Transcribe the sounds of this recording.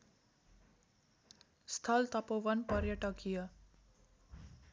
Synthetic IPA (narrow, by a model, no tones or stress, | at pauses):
st̪ʰʌlt̪ʌpoʋʌnpʌrjʌʈʌkijʌ